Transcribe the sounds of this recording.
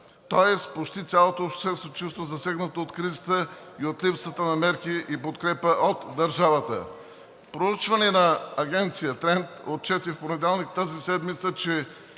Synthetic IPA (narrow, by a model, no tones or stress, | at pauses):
t̪oɛspot͡ʃt̪it̪sʲalˠot̪oːpʃt̪sɛst̪ot͡ʃust̪vozɐsɛɡnət̪oot̪kɾizət̪ə | iot̪lipsət̪ənɐmɛɾkiʔipot̪kɾɛpəʔot̪d̪ɐɾʒavət̪ə̰ | pɾout͡ʃvɐnɛnɐːɡʲɛnt̪sijət̪ɾɛnt̪ot̪̚t͡ʃɛt̪ifponɛd̪ɛlˠnikt̪azisɛd̪mit̪sət͡ʃɛ